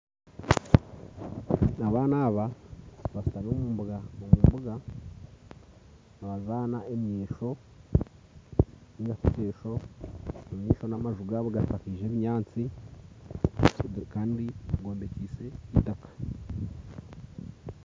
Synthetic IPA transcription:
naβaːnaβaβastanomuːmbuɡamomuːmbuɡa | naβazaːnaʔemɲiːʃo̞ | niɡatuteːʃo̞ | omɲiːʃo̞namaʒuɡaβuɡatakiʒe̞ːβiɲaːt͡si | kaːndiaɡo̞ːmbe̞ciːse̞itakḁ

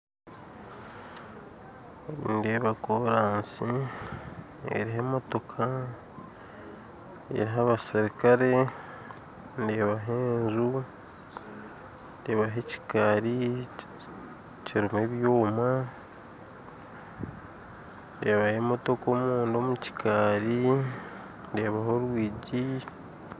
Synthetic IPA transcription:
ḭndeβakoɾaːnsi | ḛɾiɦemo̞to̞kʰa | ḛɾiɦaβasiɾikaɾe̞ | ndeβaɦeːnzu | ndeːβaɦeci̥kaːɾi | ciɾimweːβjoːma | ndeβahe̞ːmo̞to̞koːmuːndomuci̥kʰaːɾi | nde̞ːβaɦo̞ɾwiːɟi

